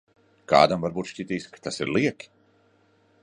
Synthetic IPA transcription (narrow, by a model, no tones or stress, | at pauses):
ka̰ːd̪amvaɾbuːt̪ʃʲcʲit̪iːskḁt̪asiɾlˠiɛkʲi̥